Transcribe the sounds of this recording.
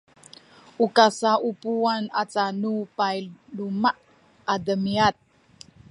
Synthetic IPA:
ukasaʔupuanat͡sanupajlumaʔ | adəmiat̪̚

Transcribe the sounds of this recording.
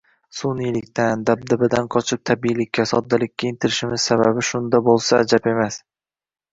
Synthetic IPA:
sunilɪkʲt̪ʰand̪ab̚d̪ɪbɪd̪anqʰɒt͡ʃʰɨq̚t̪ʰabijlɪkʲʰːasɒ̰d̪ːalɪkʲːaɪnt̪ʰɪɾɪʃɪmɪz̥sababɪʃʊnd̪abolˠsaːd͡ʒape̞mas

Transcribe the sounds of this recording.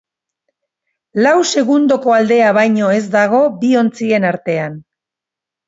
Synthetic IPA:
lawse̞ɣund̪o̞ko̞ald̪e̞aβajɲo̞e̞zd̪aɣ̞o̞bio̞nt͡sie̞naɾt̪e̞an

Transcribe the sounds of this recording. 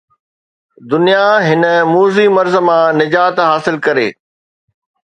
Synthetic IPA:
d̪ʊnijaɦɪnə̆muːzimɐɾzmãːnɪd͡ʑaːt̪ɦaːsɪlkɐɾḛː

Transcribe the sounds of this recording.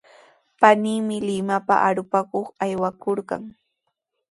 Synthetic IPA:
paniːmɪlɪmapa̰ʔaɾʊpakoχajwakoɾɢɑ̰ŋ

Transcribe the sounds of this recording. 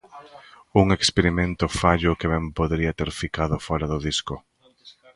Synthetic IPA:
uŋekspeɾimẽnt̪ʊfaʎʊkɪβɛmpoðɾiat̪eɾfikaðʊfɔɾaðʊðiskʊ

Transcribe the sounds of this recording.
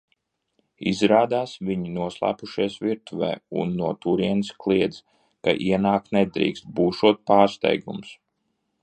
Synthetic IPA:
ḭzɾaːd̪aːsviɲinuɔslˠa̰ːpuʃiɛsviɾt̪uvɛ̰ːṵnːuɔt̪uɾiɛnɨsklˠiɛd̪z | ka̰ʔiɛnaːk̚t̪nɛd̪ɾḭːkst̪̚buːʃuɔt̪̚paːɾst̪ɛ̰jɡums

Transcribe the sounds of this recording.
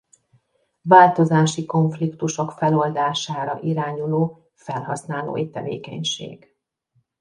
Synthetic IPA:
vaːlt̪o̞zaːʃiko̞ɱflikt̪uʃo̞kfɛlo̞ld̪aːʃaːɾɒ̰ʔiɾaːɲuloː | fɛlɦɒsn̪aːlo̰ːjit̪ɛvḛːkɛ̰ɲʃḛːɡ̥

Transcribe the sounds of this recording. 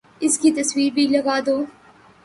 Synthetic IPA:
ɪskit̪ɐswiːɾbʱilɐɡaːd̪oː

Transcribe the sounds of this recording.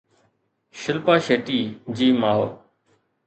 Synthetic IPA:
ʃɪlpaːʃeːʈiːd͡ʑiːmaːɦo̰ː

